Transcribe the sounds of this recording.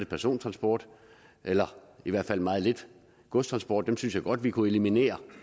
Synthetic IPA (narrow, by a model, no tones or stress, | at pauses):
əpʰæɐso̝̰ːnt͡sʰʁɑ̈nsb̥ɒːd̥ | ʔelɐiʋæɐ̰d̥fæl̰mɑ̈ːð̩ˠle̝d̥ | ɡ̥ɔ̽st͡sʰʁɑ̈nsb̥ɒ̰ːd̥ːemsynsjɑ̈ɪɡ̥ɒ̽d̥ʋikʰue̝limine̝̰ːɐ